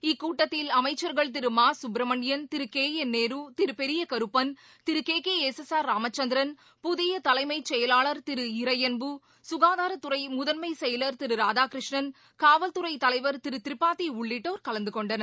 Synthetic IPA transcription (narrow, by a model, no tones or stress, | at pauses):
ɪkːuːʈːɐt̪ːɪlɐmɐɪt͡ʃːɐɾɣɐɭt̪̬ɪɾɯmaːsʊbɾɐmɐɳɪjɐnt̪ɪɾɯkeːjɛnːeːɾut̪ɪɾɯpɛɾɪjɐkɐɾɯpːɐn | t̪ɪɾɯkeːkeːesɛsaːɾːaːmɐt͡ʃːɐnd̪ɪɾɐn | pʊðɪjɐt̪ɐlɐɪmɐɪt͡ʃːɛjɐlaːɭɐɾt̪ɪɾɯɪɾɐjɐnbɯ | sʊɣaːðaːɾɐt̪ʊɾɐɪmʊðɐnmɐɪsɛjɐlɐɾt̪ɪɾɯɾaːdaːkɾɪʂɳɐn | kaːʋɐlt̪ʊɾɐɪt̪ɐlɐɪʋɐɾt̪ɪɾɯt̪ɪɾɪpːaːt̪ːiʊɭːɪʈːoːɾkɐlɐnd̪ɯkɔɳɖɐnɐɾ